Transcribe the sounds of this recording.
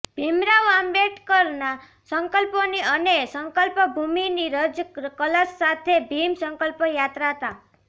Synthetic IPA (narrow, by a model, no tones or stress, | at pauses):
bʱemɾawambeʈkɔɾna | sɔŋkɔlpɔniənesɔŋkɔlpɔbʱuminiɾəd͡ʒkɔlasːat̪ʰebʱimsɔŋkɔlpɔjat̪ɾaɦət̪a